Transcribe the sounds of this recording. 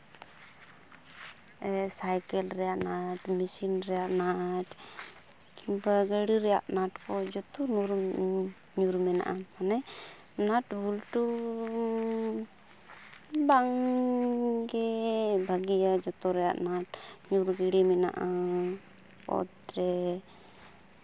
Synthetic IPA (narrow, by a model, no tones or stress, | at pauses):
ɛsajkɛlɾɛjaʔnaʈmisinɾɛjaʔnaʈ | kibaɡəɽiɾɛjaʔnaʈkɔd͡ʒɔt̪unuɾ | ɲuɾmɛna̰ʔamanɛ | naʈbulʈu | baŋ | ɡɛbʱaɡijad͡ʒɔt̪ɔɾɛja̰ʔnaʈɲuɾɡɛɽimɛna̰ʔa | pɔ̰t̪ɾɛ